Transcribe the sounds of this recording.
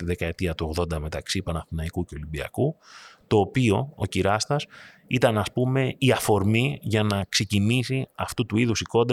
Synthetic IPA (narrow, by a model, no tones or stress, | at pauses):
t̪iðe̞kɐe̞t̪iɐt̪uoɣðo̞nd̪ɐme̞t̪ɐksipɐnɐfinɐikuceo̞limbiɐ̰kut̪o̞ːpio̞ociɾɐst̪ɐs | it̪ɐnɐspume̞iɐfo̞ɾmiʝɐnɐkse̞cinisiɐft̪ut̪uiðusiko̞nd̪